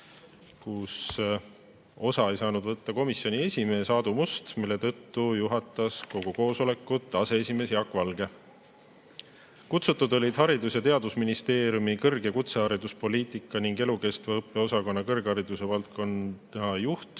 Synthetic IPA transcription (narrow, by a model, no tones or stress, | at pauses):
kus | o̞sɑe̞jsɑːnud̪vɤt̪ːɑko̞misjo̞nie̞sʲimeːsɑːd̪̥umust̪milːe̞t̪ɤt̪ːujuɦɑt̪ːˑɑsko̞ɡ̥uko̞ːso̞le̞kːˑut̪ːˑɑse̞esʲime̞ːsjɑkːˑvɑlɡ̥e̞ | kut̪sut̪ːˑud̪o̞lʲid̪̥hɦɑɾid̪usjɑt̪e̞ɑd̪usminist̪e̞ːɾjumikɤrɡ̥e̞kut̪seɑɾid̪̥uspo̞liːt̪ˑikˑːɑniŋɡe̞luke̞st̪veɤpːe̞o̞sɑko̞nːɑkɤrɡ̥ɑɾid̪̥use̞vɑlt̪̚ko̞nɑjuht̪